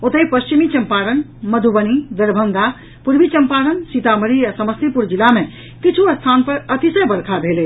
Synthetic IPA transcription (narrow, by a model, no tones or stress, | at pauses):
ot̪əjpəst͡ʃimit͡ʃəmpaɾənməd̪ʱubənid̪əɾbʱənd̪a | puɾbit͡ʃəmpaɾənsit̪aməɾiɾasəməst̪ʰipuɾd͡ʒilame | kit͡ʃʰuəst̪ʰanpəɾət̪isəjbəɾkʰabʱele